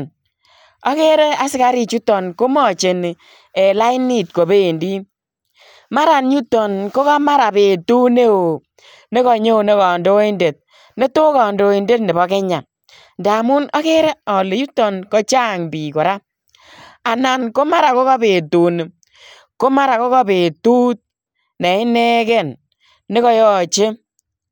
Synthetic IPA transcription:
n | ɔ˦ke˦ɾe˦a˨sɪ˦ka˦ɾi˦t͡ʃu˦tɔ˨nko˦mɔ˦˨t͡ʃe˨ni˨ | e˨la˦i˦ni˦˨t̚ko˨be˦˨ndi˦ | ma˦ɾa˨nju˦tɔ˨nko˦ka˦ma˦ɾa˨be˨tu˦ne˦o˨ | ne˦kɔ˨ɲe˦o˨ne˦kɔ˨ndo˦i˦nde˨t̚ | ne˦to˦kɔ˨ndo˨˦i˨nde˦tne˨bɔ˨ke˦ɲa˨n | nda˨mu˦nɔ˦ke˦ɾɛ˦ɔ˨le˨ju˦tːɔ˨nkɔ˦t͡ʃa˦˨ŋbi˨kɔ˨ɾa˦ | a˨na˨nko˦ma˦ɾa˨ko˦ka˦be˨tu˨n˨ | ko˦ma˦ɾa˨ko˦kɔ˦be˨tu˦t̚ | ne˨ɪ˦ne˦kɛ˦˨nː | e˦kɔ˦jɔ˦t͡ʃe˦

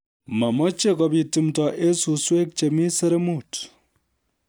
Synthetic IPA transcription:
mɐ˨mɔ˦t͡ʃe˦kɔ˨pi˨ti˨mtɔ˨ʔe˦su˨swe˦k̚t͡ʃe˨mi˦sɐ˦ɾe˦mu˦˨t

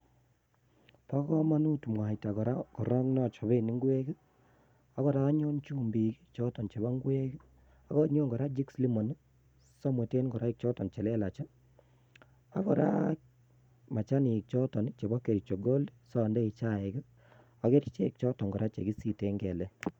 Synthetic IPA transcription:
pa˦kɔ˦ma˦nu˦tu˨mwa˨i˨ta˨kɔ˨ɾa˦kɔ˨ɾɔ˦ŋnɔ˦˨t͡ʃɔ˨be˦˨ni˦ŋɡwɛ˦ki˦ | a˦kɔ˨ɾa˦ɲɔ˦nt͡ʃu˦mbi˨ki˦t͡ʃɔ˦tɔ˨nt͡ʃe˨ba˦ŋɡu˦ɛ˦ki˦ | a˦kɔ˦ɲɔ˦ŋɡɔ˨ɾa˦d͡ʒi˦ksli˦mɔ˨n˦ | sɔ˦mwe˨te˦nɡɔ˨ɾa˦i˦k̚t͡ʃɔ˦tɔ˨t͡ʃɛ˨lɛ˦la˨t͡ʃɛ˦ | a̰˦kɔ˨ɾa̰˦ | ma˨t͡ʃa˦ni˨k̚t͡ʃɔ˦tɔ˨n˦t͡ʃe˨bɔ˦ke˨ɾi˨t͡ʃɔ˨ɡo˦lsɔ˦˨ndɛ˦i˨t͡ʃa˦ɛ˨ɡi˦ | a˨ke˦ɾi˦t͡ʃe˦k̚t͡ʃɔ˦tɔ˨ŋɡɔ˨ɾʔa˦t͡ʃe˨ɡi˦si˨te˨˦ŋɡɛ˨lɛ˦

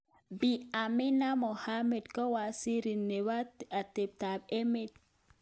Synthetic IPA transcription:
bi˨a˨mi˦na˦mɔ˨ha˦mɛ˨dka˦wa˨si˦ɾi˨nɛ˨wa˦a˨tɛ˨b̚ta˨be˦mɛ˦d̚

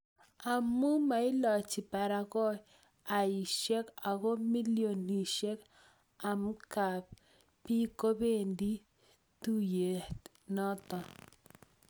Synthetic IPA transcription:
a˨mu˦ma˨ɪ˦lɔ˨t͡ʃɪ˨pa˨ɾa˨ɣɔ˦ | a˨i˨ʃe˦ka˨ɣɔ˦mi˦ljo˨ni˨ʃe˦k | a˨m˦ka˨p̚ | pi˦ko˦be˦ndi˦ | t̪u˦je˨t | nɔ˦t̪ɔ˨

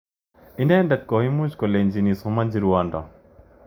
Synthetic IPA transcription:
ɪ˦ndɛ˦ndat̪̚kɔ˨i˦mu˦d͡ʒkɔ˨le˨nd͡ʒi˨ni˨sɔma˦nd͡ʒiɾuwandɔ̰˨

